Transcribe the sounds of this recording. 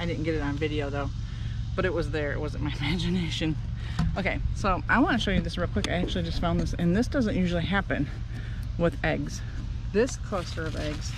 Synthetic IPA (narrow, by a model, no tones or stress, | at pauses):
aɪdɪdⁿn̩ɡ̥ɛɾɨɾn̩vɪɾioʊðoʊ | b̥ʌɾɨt̚wʌzðə˞ɨ̰ʔ̚wʌzɨ̃nmaɪɨmæd͡ʒɨneɪʃɨ̃n | ʔoʊkʰeɪsoʊʔaɪwɑ̃nɨʃoʊjɨðɪsɹɛpʰlɨkaɪæk̚t͡ʃʉl̩ˠid͡ʒʌstfãʊ̃nðɪsɨ̃nðɪsd̥ʌzɨ̃nʔjʉʒl̩ˠiɦæpɨ̰̃n | wɪðɛɡz̥ | ðɪskʰl̥oʊstə˞ʌvɛɡz̥